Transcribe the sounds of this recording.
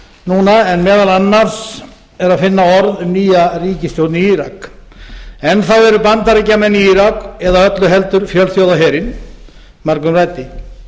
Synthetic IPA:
nuːnaɛnmɛːðalanːaɾ̥s | ɛɾaðfɪnːaɔɾðʏmniːjariːcɪst̪jowt̪niiːɾa̰k | ɛnθavɛɾʏpant̪aɾɛcːamɛnːiiːɾakɛðaœt̪lʏɦɛlt̪ʏɾfjœlθjoːwðaɦɛːɾɪn | maɾkʏmraːjt̪ɪ

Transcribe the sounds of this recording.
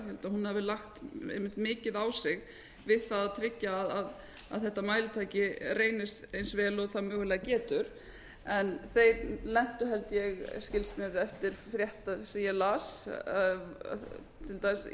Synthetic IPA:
hɛlt̪aɦunhavɪlaxt̪ḛjmɪt̪mɪːcɪðawsɪɣ | vɪðθaðat̪ʰɾɪcːaːðað | a̰ðθɛht̪ːamaːjlɪt̪ʰaːjcɪreːjnɪst̪ejnsvɛːlɔɣθaðmœːɣʏlɛːɣacɛːt̪ʏɾ̥ | ɛnθejɾlɛm̥t̪ʏɦɛlt̪jɛɣscɪlsnɪɾɛft̪ɪɾ̥fɾjɛht̪asijalas | t̪ʰɪlt̪aːjs

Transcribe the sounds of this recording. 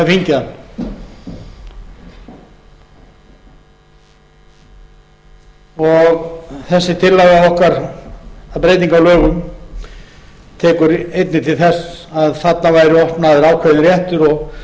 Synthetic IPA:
afiɲcɪan | ɔɣθɛsːɪt̪ʰɪlːaɣaɔhkaɾ | aðpɾeːjt̪iŋkawlœːɣʏm | t̪ʰɛːkʏɾejt̪nɪt̪ʰɪlθɛsaðfat̪navaːjɾɪɔhp̪naðɪɾaːwkʰɛðnɪɾjɛht̪ʏɾɔɣ

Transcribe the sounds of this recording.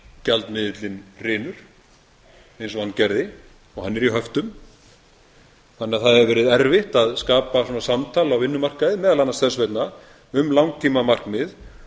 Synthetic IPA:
calt̪mɪːðɪt̪lɪnrɪːnʏɾ̥ | ejnsɔhanːcɛɾðɪ | ɔɣhanːɛɾiɦœft̪ʏm | θanːɪaθaðɛvvɛːɾɪðɛɾvɪht̪aðskaːpasɔːnasamt̪ʰaːlawvɪnːʏmar̥kaðɪmɛːðalanːast̪θɛsvejt̪na | ʏmlawŋt̪ʰimamar̥knmɪð

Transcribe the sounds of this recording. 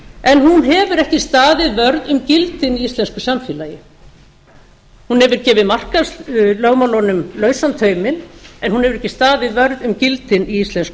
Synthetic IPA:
ɛnɦunɦɛvʏɾɛhcɪst̪aːðɪðvœɾðʏmcɪlt̪ɪniist̪lɛnskʏsamfɪːlajɪ | hunhɛvʏɾ̥cɛːvɪðmar̥kaslœɣmalɔnʏmlœːɥsant̪ʰœːɥmɪnɛnhunhɛvʏɾɛhcɪst̪aːðɪðvœɾðʏmcɪlt̪ɪniist̪lɛnskʏ

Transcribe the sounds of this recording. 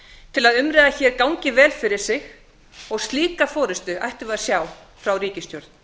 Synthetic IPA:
t̪ʰɪlaðʏmɾɛːðaçɛːɾkawɲcɪvɛːlfɪɾɪɾ̥sɪɣ | ɔɣst̪liːkafɔːɾɪst̪ʏʔa̰jht̪ʏvasjaːw | fɾawɾiːcɪst̪jɔwɾt̪n

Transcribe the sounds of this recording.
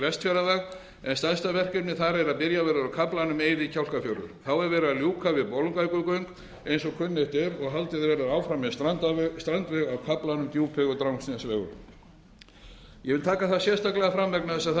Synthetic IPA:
ɾɛst̪fɛɾavɛɣ | ɛnst̪anst̪avɛr̥kɛnɪθaɾɛɾaðpɪɾjavɛːɾaɾawkʰaplanʏmeːjðɪcʰawl̥kafjɔwɾʏ̰ɾ̥θawɛɾvɛːɾɪaljuːkʰavɪðpowlʏŋkajkʏkœɥŋk | ejnsɔɣkʰʏnːeht̪ɛɾɔɣɦalt̪ɪðɪvɛːɾaaːwfɾamːɛst̪at̪st̪ɾant̪vɛɣawkʰaplanʏmt̪juːpʰɛɣʏt̪ɾawnsinasvɛːɣʏ̰ɾ | jɛvɪlt̪ʰaːkaθaðsjɛ̥st̪aklɛɣafɾamvɛknaθɛs̬aθ

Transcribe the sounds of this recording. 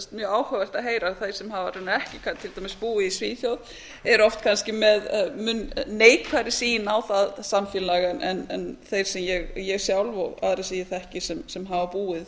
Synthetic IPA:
st̪mjœːaːwhœvast̪aɦeːjɾaθejɾ̥sɛmhaːvaɾunaɛhcɪkʰat̪ʰɪlt̪amɪspuːɪðisviːθjowð | ɛɾɔft̪kʰanscɪmɛðmʏnːeːjkʰaɾɪsiːjɪnawθaðsamfɪllaɣɛnʔɛnɛnθejɾ̥sɛmjɛɣjɛɣsjawlvɔɣa̰ðɾasijɪθɛhcɪsɛmsɛmɦavapuːɪð

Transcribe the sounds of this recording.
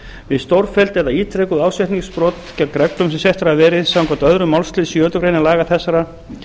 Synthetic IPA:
vɪðst̪owɾfɛlt̪ɛðaiːt̪ʰɾɛkʏðaːwsɛht̪niŋspɾɔːt̪cawkɾɛklʏmsɛmsjɛht̪aɾavɛːɾɪðsawnŋkɔt̪œðɾʏmawlst̪lɪðsjœːt̪ʏkɾejnɪlaːɣaθɛsːaɾa

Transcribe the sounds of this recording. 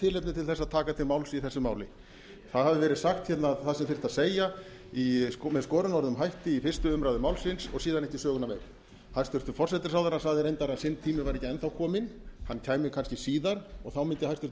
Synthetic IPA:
t̪ʰɪːlejp̪̚nɪt̪ʰɪlθɛsːaðt̪ʰaːkat̪ʰɪlmawlsiθɛsːʏmaːwlɪ̰ | θaðhavɪvɛːɾɪðsaxt̪çɛt̪naθaðsɛmfɪr̥t̪aðseːja | imɛðskɔːɾʏnɔɾðʏmɦajht̪ɪifɪr̥st̪ʏʏmɾawðʏmaːwlsɪnsɔɣsiːðanɛhcisœːɣʏnavḛjɾ | hajst̪ʏɾ̥t̪ʏfɔrsɛt̪ɪ̥ɾsawðaɾasaɣðɪɾejnt̪aɾaðsɪnt̪ʰiːmɪvaɾɛcːɪɛnθawkʰɔːmɪnhancʰaːjmɪkʰanscɪsiːðaɾɔɣθawmɪnt̪ɪhajst̪ʏ̥ɾ̥t̪

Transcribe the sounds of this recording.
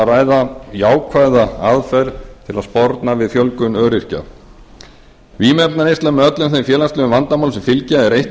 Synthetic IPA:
raːjðajaːwkʰvaːjðaaðfɛɾt̪ʰɪlaðspɔɾt̪navɪðθjœlkʏnœːɾɪr̥ca̰ | viːmɛp̚naɾest̪amɛœt̪lʏmθejmfjɛːlast̪lœʏvant̪amawlsɪfɪlcaɛɾejht̪

